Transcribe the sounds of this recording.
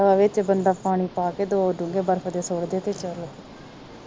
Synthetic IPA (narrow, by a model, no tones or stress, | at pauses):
aːʋɪt͡ʃbənɖaːpaːɽ̃iːpaːkeːd̪oːʊɖũːŋɡeːbəɾfʰd̪eːsoːɽd̪eːt̪eːt͡ʃəloː